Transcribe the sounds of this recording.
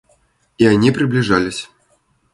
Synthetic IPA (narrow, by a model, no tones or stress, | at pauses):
ianʲipɾʲɨblʲiʐalʲisʲ